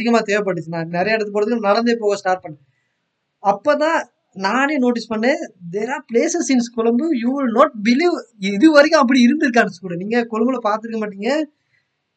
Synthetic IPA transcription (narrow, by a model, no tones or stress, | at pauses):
ɐɪɣɐmaːt̪eːʋɐp̬ɐʈːɯːɯnãːnɪɾɐjɐɛɽɯt̪ːɯp̬oːɾɐðɯkːɯnnɐɽɐnd̪epoːɣɐ̃sʈaːɾʈ̚pɐɳːẽ | ɐpːoːt̪̬ãː | nãːneːnoːʈ̬ɪspɐɳːẽːd̪eːɾaːpleːsɛsɪnskʊlɐmbɯjuʋɪlnɔːʈ̚bɪliːʋɪðɯʋɐɾɪkːʊ̃ɐp̬ːɐɽiɪɾɯnd̪ɪɾɯk̬ːaːɳɐsɯ̥kuːɽɐniːŋɡɐkɔɻɯmbɐlɐpaːɾt̪ɯɾɯkːɐmaːʈ̬ːiːŋɡɐ